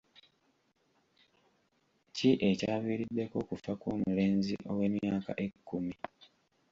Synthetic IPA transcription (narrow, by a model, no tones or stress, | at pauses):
ciʔe̞caːβiːɾidːe̞ko̞kufakuːmule̞ːnzḭʔo̞̰we̞ːmjaːka̰ʔe̞kːumi